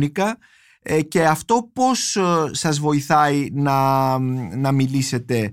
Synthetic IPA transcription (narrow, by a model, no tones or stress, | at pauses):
nikɐ | ce̞ɐft̪o̞po̞sːɐzvo̞iθɐinɐ | nɐmilise̞t̪e̞